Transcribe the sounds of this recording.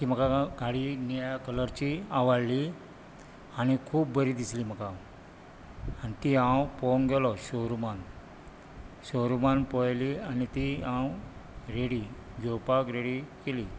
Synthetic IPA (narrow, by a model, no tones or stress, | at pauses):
k̪iːm̤əkaɡʱaɽinajkələɾt͡ɕiaʋaɽli | añikʰuːbbəɾid̪isliːm̤əka | anit̪iɦãwpɔŋɡɛlɔɕoɾuman | ɕowɾumanpɔjlianit̪iãwɾeɽi | d͡ʑopakɾeɽikeli